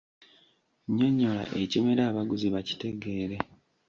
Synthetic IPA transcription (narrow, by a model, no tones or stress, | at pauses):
ɲo̞ɲːo̞la̰ʔe̞cimeɾaːβaɡuziβaci̥te̞ɡe̞ːɾe̞